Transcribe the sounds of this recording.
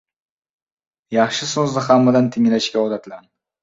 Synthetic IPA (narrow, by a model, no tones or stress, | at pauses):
jɑχʃɪsozd̪ahamːad̪ant̪ʰɪŋʲlaʃkʲaɒd̪at̪lan